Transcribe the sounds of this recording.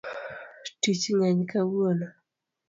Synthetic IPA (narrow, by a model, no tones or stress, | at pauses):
tit͡ʃɲaɲkawonɔ